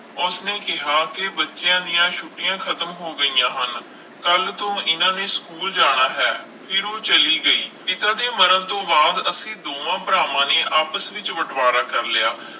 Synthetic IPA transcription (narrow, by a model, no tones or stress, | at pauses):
ʊsneːkɪɦaːkɪbətːʃjãːd̪ɪjãːʃʰʊʈɪjãːkʰət̪əmɦoːɡəiːjãːɦən | kəlt̪õːɪnãːnẽːskuːld͡ʒaːɽ̃aːɦɛː | pʰɪɾõːt͡ʃəliːɡəiːɪt̪ãːd̪eːməɾənt̪õːbaːd̪əsĩːd̪oːʋãːpɾaːʋãːneːʔaːpəsʋɪt͡ʃʋəʈʰʋaːɾaːkəɾlɪjaː